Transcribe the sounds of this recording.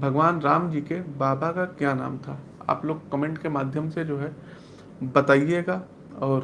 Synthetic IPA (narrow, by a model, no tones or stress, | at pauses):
bʱɐɡʋaːnɾaːmd͡ʒiːkebaːbakakjana̰ːmt̪ʰa | a̰ːploːɡkəmẽːɳʈkemaːd̪ʱjəmsed͡ʒoːɦɛ | bɐt̪aːieːɡa | ɔːɾ